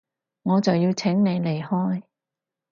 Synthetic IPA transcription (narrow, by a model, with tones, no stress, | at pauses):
ŋɔː˨˧t͡sɐ˨wjiː˧wt͡sʰɪ˨˥ŋne˨˧jle˨˩jhɔː˥j